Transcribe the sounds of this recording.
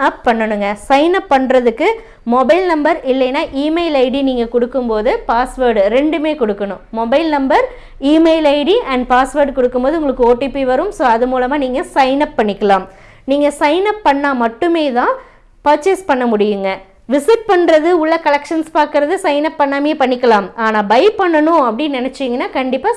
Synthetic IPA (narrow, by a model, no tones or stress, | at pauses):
ɐppɐɳːɐnɯŋɡɐsɐɪnɐpːɐɳɾɐðɯkːɯ | mɔbɐɪlnɐmbɐɾɪlːɐjnːaːʔiːmeɪlɐɪɽiniːŋɡɐkʊɽɯkːɯmpoːðɯpaːsʋɐːɾɖɾɛɳɖɯmeːkɔɽɯkːɐɳʊ̃mɔbɐɪlnɐmbɐɾ | iːmeɪlɐɪɽiʔɐɳɖpaːsʋɐːɾɖkɔɽɯkːɯmpoːðɯʊŋɡɐɭɯkːɯoːʈːipːiʋɐɾɯmsoːɐðɯmuːlɐmaːniːŋɡɐsɐɪnɐpːɐɳːɪkːɐlaːm | niːŋɡɐsɐɪnɐpːɐɳːaːmɐʈːɯmeːt̪ãː | pɐɾt͡ʃɛspɐɳːɐmʊɽɪjɯŋɡɐ | ʋɪsɪʈ̚pɐɳɾɐðɯʊɭːɐkɐlɛkʂɐnspaːɾkɯɾɐðɯsɐɪnɐpːɐɳːaːmjeːpɐɳːɪkːɐlaːmaːnaːbɐɪpɐɳːɐnʊ̃ɐpːɐɽɪnnɪnɛt͡ʃːiːŋɡɐnːaːkɐɳɖɪpːaː